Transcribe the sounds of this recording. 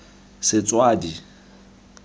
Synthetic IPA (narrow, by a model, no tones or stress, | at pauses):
sɪt͡sʼwaːdi